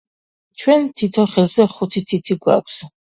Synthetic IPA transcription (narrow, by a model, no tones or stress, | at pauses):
t͡ʃʰwɛnt̪ʰit̪ʰɔχɛlzɛχut̪ʰit̪ʰit̪ʰiɡwa̰kʷʰs